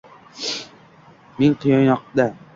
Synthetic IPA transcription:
meŋqʰɨjɒnjɒq̚d̪a

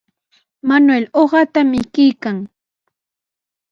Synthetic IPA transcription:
manweloɢɑt̪amɪkijkaŋ

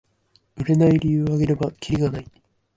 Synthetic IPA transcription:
ɯ̟ɾe̞naiɾʲijɯːaɡe̞ɾe̞bakʲʰiɾʲiɡanai

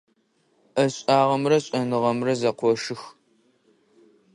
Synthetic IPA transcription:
ɐɕʼaːʁɐmrɐɕʼɐnɨʁɐmrɐzɐqʷɔʂɨx

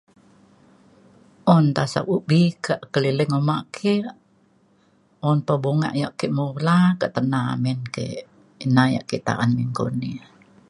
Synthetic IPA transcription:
ʔɔnt̪asa̰k̚uʔbikaʔkəliləŋomaʔkʰe | ɔnpəboŋa̰ʔjaʔkeʔmulakaʔt̪ənamɛnkḛ | inaja̰ʔkiʔt̪a̰ʔanmiŋko̰ni

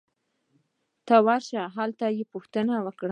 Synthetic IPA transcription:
t̪awaɾʃaɦalt̪ajepuxt̪ənawəkɽa

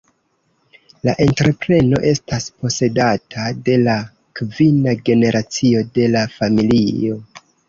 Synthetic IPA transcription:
laʔe̞ntɾe̞pɾe̞no̞̰ʔe̞staspo̞se̞datʰade̞la | kvinaɡe̞ne̞ɾʔat͡sio̞de̞lafamilio̞

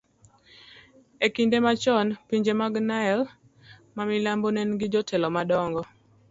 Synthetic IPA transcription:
ekindemat͡ʃɔnpiɲd͡ʒemaɡnaɛl | mamɪlambonɛnɡɪd͡ʒɔtʰɛlɔmadɔŋɡɔ

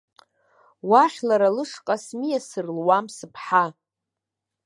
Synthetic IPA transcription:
waχʲlaɾalɨʂqʼasmijasɨrlwamsɨpʰħa

